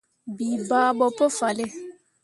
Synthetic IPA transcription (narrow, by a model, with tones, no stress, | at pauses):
bi˨baː˦ɓɔ˨po˦fa˨le˦